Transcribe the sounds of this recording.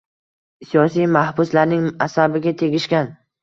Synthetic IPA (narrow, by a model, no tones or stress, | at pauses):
sijɒsijmahbʊslaɾnɪŋasabɪɡʲat̪ʰe̞ɡʲɪʃkʲan